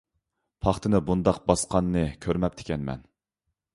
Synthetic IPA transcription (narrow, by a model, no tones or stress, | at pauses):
pʰɑχt̪ʰɨnɨbund̪ɑqbɑsqʰɑnːɨkʲʰøɾmɛp̚t̪ʰɪ̥kʲɛnmɛ̰n